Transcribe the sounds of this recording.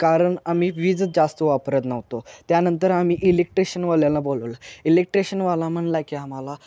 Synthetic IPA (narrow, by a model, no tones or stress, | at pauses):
kaɾəɳamiːʋiːd͡zəd͡zast̪oʋapɾət̪nəʋt̪ot̪janənt̪əɾamiːʔilek̚ʈɾeɕənʋaljalabolələilek̚ʈɾeɕənʋalam̤əɳlakiam̤ala